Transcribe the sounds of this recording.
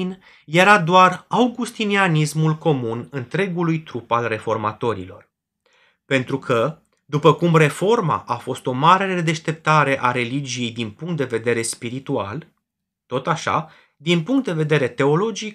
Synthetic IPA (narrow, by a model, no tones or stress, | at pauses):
n | je̞ɾad̪oarawɡust̪inianismulko̞munɨnt̪ɾe̞ɡulujt̪ɾupalre̞fo̞rma̰t̪o̞ɾḭlo̞̰r | pe̞nt̪ɾukʰə | d̪upəkumre̞fo̞rma̰ʔafo̞st̪o̞maɾeed̪e̞ʃt̪e̞p̚t̪aɾe̞ʔaɾe̞lid͡ʒije̞jd̪inpuŋkt̪̚d̪e̞ve̞d̪e̞ɾe̞spiɾit̪ua̰l | t̪o̞t̪aʃa̰ | d̪inpuŋkt̪̚d̪e̞ve̞d̪e̞ɾe̞t̪e̞o̞lo̞d͡ʒik